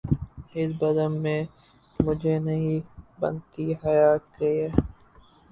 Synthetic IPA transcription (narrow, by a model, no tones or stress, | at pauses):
ɪsbɐd̪əmːẽ | mʊd͡ʒʱenɐɦĩbɐ̰nt̪iɦɐjaːt̪̚ɡɐiɛː